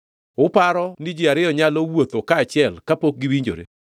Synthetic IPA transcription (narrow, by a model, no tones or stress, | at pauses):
ʊpaɾɔnid͡ʒiaɾɪɔɲalowot̪okaːt͡ʃɪɛlkapok̚ɡiwiɲd͡ʒo̰ɾḛ